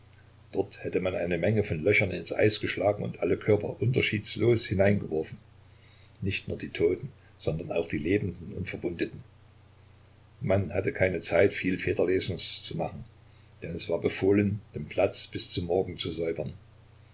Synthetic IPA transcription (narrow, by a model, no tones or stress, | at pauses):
d̥ɔɐthɛtəmanʔaɪnəmɛŋəfɔnlœçɐnɪnsʔa̰ɪsɡ̥əʃlaːɡŋ̩ʊ̰ntʔaləkʰœɐpɐ̰ʔʊntɐʃiːtsloːshɪnaɪnɡəvɔɐfn̩ | nɪçtnuːɐdiːtʰoːtn̩ | z̥ɔndɐna̰ʊxd̥iːleːbm̩dn̩ʊntfɛɐbʊndətn̩ | manhatəkʰaɪnət͡saɪtfiːlfeːtɐleːzn̩st͡suma̰χn̩ | d̥ɛnɛsv̥aːɐbəfoːlənd̥eːmpʰl̥at͡sb̥ɪst͡sʊmːɔɐɡŋ̩t͡suzɔʏbɐn